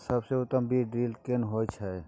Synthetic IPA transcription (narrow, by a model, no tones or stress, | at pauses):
səbseʊt̪ːəmbʱiɖiːlkenɦojt͡ʃʰɛ